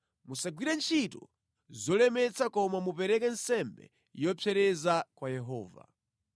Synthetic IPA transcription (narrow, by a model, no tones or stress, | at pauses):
musaɡwiɾɛnt͡ʃʰitɔ̰ | zɔlɛmɛt͡sakɔmamupɛɾɛkɛnsɛmbɛ̰ | jɔpʰɛɾɛzakwajɛɦɔːva̰